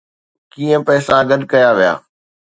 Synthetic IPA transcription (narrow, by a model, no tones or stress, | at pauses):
kiːə̃pɛːsãɡɐɗkɐjaʋija̰ː